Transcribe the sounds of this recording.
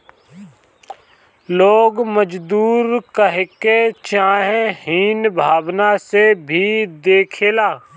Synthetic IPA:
loːɡməd͡ʒd̪uːɾkəɦket͡ʃaːɦẽhiːnbʱaːʋnasebʱid̪eːkʰeːlaː

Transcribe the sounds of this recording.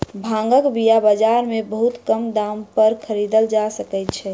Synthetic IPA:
bʱãŋɡəkbijabəd͡ʒaɾmebəɦut̪kəmd̪ampəɾkʰəɾid̪əld͡ʒasəkɛt̪̚t͡ʃʰɛ

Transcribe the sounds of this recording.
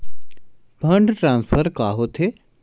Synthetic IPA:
bʱɐɳɖʈɾãːnspʰəɾkaːɦot̪ʰe

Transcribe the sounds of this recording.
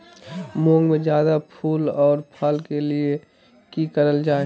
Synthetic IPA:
mõːŋɡmẽd͡ʒjaːd̪apʰuːlɔːɾpʰəlkelie | kikəɾəld͡ʒaːe

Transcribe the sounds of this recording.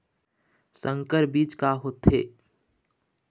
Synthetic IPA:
sə̃ŋkəɾbiːt͡ʃkaɦoːt̪ɦeː

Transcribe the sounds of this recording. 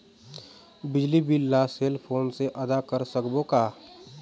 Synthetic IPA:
bɪd͡ʒlibʱilaːseːlpʰoːnseʔɐd̪akəɾsəkbokaː

